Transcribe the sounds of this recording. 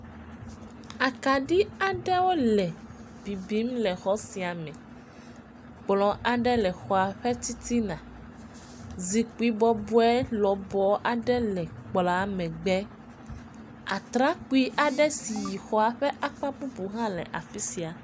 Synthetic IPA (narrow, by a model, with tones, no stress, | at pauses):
a˨ka˨ɖi˦a˨ɖɛ˦wo˦lɛ˨ | bi˨bi˦mlɛ˨xɔ˨˦si˨a˨mɛ̃˨ | k͡plɔ̃˨˦ʔa˨ɖɛ˦lɛ˨xɔ˨a˨ɸɛ˦t͡ɕi˦t̪i˦nã˨ | zi˨k͡pu˦i˦bɔ˦bu˦ɛ˦lɔ˨bɔ˦ʔa˨ɖɛ˦lɛ˨k͡pla˨˦mɛ̃˨ɡ͡bɛ˦ | a̰˨t̪ɾa˦k͡pu˦i˦ʔa˨ɖɛ˦si˨ji˨xɔ˦a˨ɸɛ˦ʔa˦k͡pa˦bu˦bu˨ɦã˦lɛ̰˨ʔa˨fi˦si˨a˨